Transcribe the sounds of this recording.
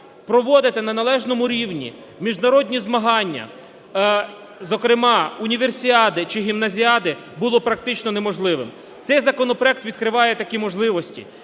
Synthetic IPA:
pɾɔʋɔd̪ɪt̪ɪnɐnɐlˠɛʒnɔmʊɾʲiwnʲḭ | mʲiʒnɐɾɔdʲnʲizmɐɦɑnʲːɐ̰ | zɔkɾɪmɑunʲiʋersʲiɑd̪ɪt͡ʃɪɦʲimnɐzʲiɑd̪ɪ | bʊlˠɔpɾɐk̚t̪ɪt͡ʃnɔnemɔʒlˠɪʋɪ̰m | t̪sɛjzɐkɔnɔpɾɔɛk̚t̪ʋʲid̪kɾɪʋɑjɛt̪ɐkʲimɔʒlˠɪʋɔsʲtʲḭ

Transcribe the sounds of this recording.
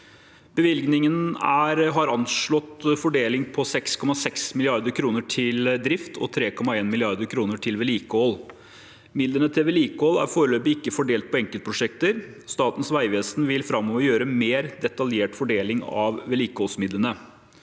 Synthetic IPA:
b̥əʋɪlɡnɪŋənæɾɦɑɾɑnʂɭɔt̪fɔɖeːlɪŋpʰɔsɛkskʰɔmɑsɛksmɪlɪɑɾd̪əɾkʰɾuːnəʈʰɪld̪ɾɪft̪ʰɔ̰t̪ʰɾeːkʰɔmɑeːnmɪlɪɑɾd̪əɾkʰɾuːnəʈʰɪlʋɛliːkəɔl | mɪd̪lənət̪ʰɪlʋɛliːkolæ̰ɾfoːɾəløːbɪɪkːəfɔɖeːlt̪̚pʰɔɛŋkəlt̪pɾʊʂɛk̚t̪əɾ | st̪ɑːt̪ən̩sʋæɪʋeːsnʋɪlfɾɑmːɔʋəɾjøːɾəmeːɾd̪ɛt̪ɑljeːʈfɔɖeːlɪŋɑʋʋɛliːkɔlsmɪd̪lənə

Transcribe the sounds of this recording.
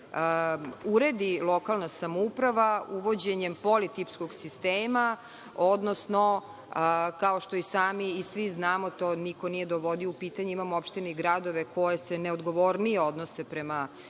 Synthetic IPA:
uɾe̞d̪ilˠo̞kalˠnasamoupɾaʋauʋo̞d͡ʑeɲempo̞lit̪ipskoɡsist̪eːma | od̪nosno | kaoʃt̪oisaːmiːsʋiznaːmo̞t̪oːniko̞nije̞d̪oʋo̞d̪ioupiːt̪aɲeimamoopʃt̪iniɡɾad̪o̞ʋeko̞jeseneod̪ɡo̞ʋoɾnijeod̪nosepɾema

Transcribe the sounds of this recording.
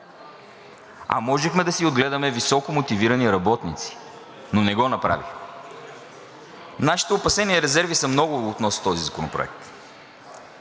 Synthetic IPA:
ɐ̰mɔʒɛxmɛd̪ɐsiod̪ɡlɛd̪ɐmɛvisɔkomot̪iviɾɐniɾɐbɔt̪nit̪si̥ | nonɛɡɔnɐpɾa̰vḭx | naʃi̥t̪ɛopɐsɛniɛɾɛzɛɾvisɐmnɔɡʊot̪nɔst̪ɔzizɐko̰nʊpɾʊ̰ɛ̰k̚t̪

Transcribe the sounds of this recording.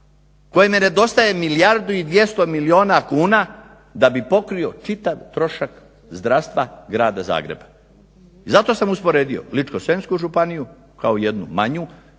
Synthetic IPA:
ko̞jemene̞d̪o̞st̪aje̞milijaɾd̪uid̪ʋje̞st̪o̞milio̞ːnakuːna | d̪abipo̞kɾio̞t͡ʃit̪aʋt̪ɾo̞ʃak | zd̪ɾast̪ʋaɡɾaːd̪aza̰ːɡɾe̞̰bḁ | izat̪o̞samuspo̞ɾe̞ːd̪io̞̰lit͡ʃkosenskuʒupaniju | kʰaoije̞d̪nṵmaɲu

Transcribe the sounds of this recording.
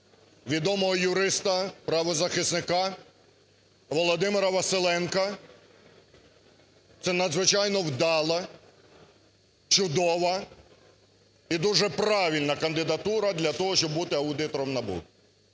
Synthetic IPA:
ʋʲid̪ɔmɔɦɔjʊɾɪst̪ɐpɾɐʋɔzɐxɪsnɪkɑ | ʋɔlˠɔd̪ɪmɪɾɐʋɐselˠɛnkɐ | t̪sɛnɐd̪zʋɪt͡ʃɑjnɔwd̪ɑlˠɐ | t͡ʃʊd̪ɔʋɐ | id̪uʒɛpɾɑʋʲilʲnɐkɐnd̪ɪd̪ɐt̪uɾɐd̪lʲɐt̪ɔɦɔʃt͡ʃɔbbut̪ɪɐwd̪ɪt̪ɔɾɔmnɐbṵ

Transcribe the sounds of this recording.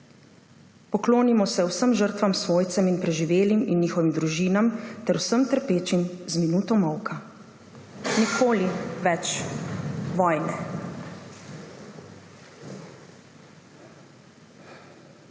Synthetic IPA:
pɔkloːnimɔsɛwsəmʒəɾt̪ʋamsʋoːjt̪sɛminpɾɛʒiʋeːliminːiːxɔʋimd̪ɾuʒiːnamt̪ɛɾwsəmt̪əɾpeːt͡ʃimzminuːt̪ɔmɔwka | nikʰoːliʋɛt͡ʃ | ʋɔjnɛ

